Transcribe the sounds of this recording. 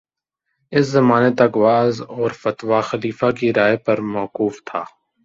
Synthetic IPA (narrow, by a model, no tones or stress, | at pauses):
ɪszɐmaːnet̪ɐkʋaːzɔːɾfɐt̪waxɐliːfakiɾaːjepɐɾmɔːquːft̪ʰaː